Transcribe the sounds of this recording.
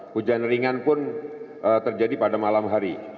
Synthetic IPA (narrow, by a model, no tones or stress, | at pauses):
pud͡ʒanriŋanpʊnʔət̪ərd͡ʒadipadamalamɦaɾi